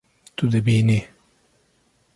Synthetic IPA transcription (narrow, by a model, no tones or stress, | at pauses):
t̪ud̪ɐbiːni